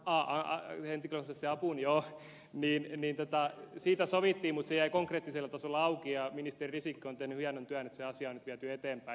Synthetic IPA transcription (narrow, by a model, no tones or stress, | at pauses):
ɑːʔɑɑ̰hent̪iklosesseɑpuˑnjoː | niːnniːnt̪ot̪ɑsiːt̪æsoʋit̪ːiːmmut̪sejæikoŋkreːt̪ːiselːɑt̪ɑsolːɑɑukiɑminist̪eririsikːiont̪ehnyhyænont̪yænet̪seɑsiɑonyt̪ʋiæt̪yet̪eːmpæi